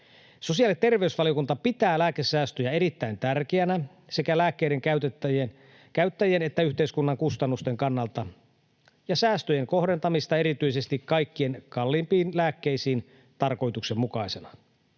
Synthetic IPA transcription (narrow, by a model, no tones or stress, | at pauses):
so̞siɑlitt̪e̞rʋe̞ysʋɑlijokunt̪ɑpit̪æːlæːkesæːst̪øjæeɾit̪ːæint̪ærkeænæ | se̞kælæːkːeiɾeŋkæyt̪et̪ːæjen | kæyt̪ːæjenet̪ːæyçt̪eiskunːɑŋkust̪ɑnːust̪e̞ŋkɑnːɑlt̪ɑ | jɑsæːst̪øjeŋko̞ɦde̞nt̪ɑmist̪ɑeɾit̪yise̞st̪ikkɑjkːie̞nkɑlːimpiːnlæːkːe̞isiːn | t̪ɑrko̞jt̪ukse̞mmukɑise̞nɑ